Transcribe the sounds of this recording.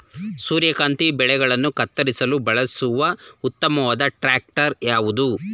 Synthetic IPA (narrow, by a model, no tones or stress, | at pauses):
suːɾjɐkaːnt̪ibɛɭɛɡɐɭɐnːukɐt̪ːɐɾisɐlubɐɭɐsuʋɐut̪ːɐmɐʋaːd̪ɐʈɾaːk̚ʈɐɾjaːʋud̪u